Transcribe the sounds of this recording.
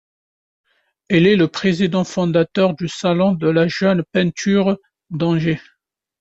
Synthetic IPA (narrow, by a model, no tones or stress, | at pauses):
ɛlɛləpχezid̪ɑ̃fɔ̃d̪at̪œʁd̪ysalɔ̃d̪əlaʒœnpɛ̃t̪ʰyʁ | d̪ɑ̃ʒe